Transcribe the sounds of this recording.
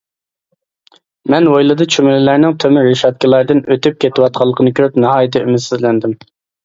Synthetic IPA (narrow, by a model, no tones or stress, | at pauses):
mɛnwojlˠɨd̪ɨt͡ʃʰymɪlɪlæɾnɪŋt̪ʰømɪɾeʃɑt̪̚kʲilˠɑɾd̪ɨnøt̪yp̚kʲʰet̪ʰwɑt̪̚qʰɑlˠːəqʰənɨkʲʰøɾypnɑhɑːjɪt̪ʰɨymɪt̪sɪzlɛnd̪ɪm